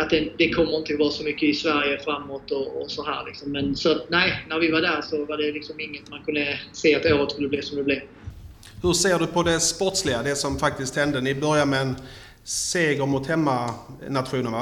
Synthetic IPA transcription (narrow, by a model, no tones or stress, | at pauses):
at̪̚d̪ɛd̪ɛkʰɔmːəɾɪnt̪əɔvɑːɾasɔmʏkːəɪsvæɾjəfɾamːoːt̪ɔːsɔɦæ̰ːɾlɪ̰ksɔmːɛnsɔat̪næɪnæɾvɪvaɖæɾʂɔvaɖɛlɪksɔmɪŋːət̪mankʰɵnd̪əseːat̪oːɾət̪skɵlːəbliːsɔmd̪ɛblɪ | hɵseːɖɵpʰɔd̪ɛspɔʈslɪɡad̪ɛsɔmfak̚t̪ɪst̪hɛnd̪ənɪbœɾjamɛːn | seːɡəɾmʊt̪hɛmːanat̪ɧuːnənva